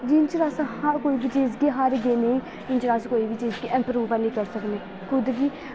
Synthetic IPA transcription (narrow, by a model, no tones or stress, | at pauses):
d͡ʒint͡ʃɾaːshakoːiːbit͡ʃezɡiːɦaɾɡeːneĩː | ɪnt͡ʃɾaːskoːiːbit͡ʃeːzɡeʔɛ̃mpɾuːbaliːkəɾsəkneː | kʰʊd̪ɡiː